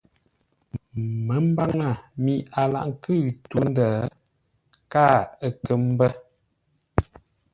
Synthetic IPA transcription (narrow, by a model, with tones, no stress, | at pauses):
mə˨˦m̩˦ba˦ŋə˦˨mi˨a˨la̰˨ʔŋ̩˦kɨ˦˨ɣtu˦n˦dəː˨ | kaː˦˨ə˦kə˦m˦bə˦